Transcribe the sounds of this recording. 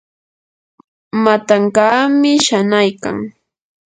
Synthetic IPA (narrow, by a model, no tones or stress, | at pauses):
mat̪aŋkaːmɪʃanajka̰ŋ